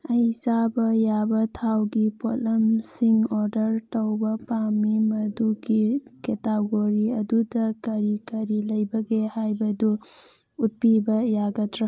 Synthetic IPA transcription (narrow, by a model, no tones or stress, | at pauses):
ɐjsabɐjabɐtʰawɡipolɐmsiŋɔɾdɐɾtɐwbɐpamimɐduɡiketaɡoɾiɐdudɐkɐɾikɐɾilɐjbɐɡehajbɐdu | ut̚pibɐjaɡɐtɾa